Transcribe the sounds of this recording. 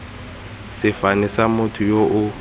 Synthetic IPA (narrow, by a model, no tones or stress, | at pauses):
sɪfanɛsamʊtʰʊjoʔʊ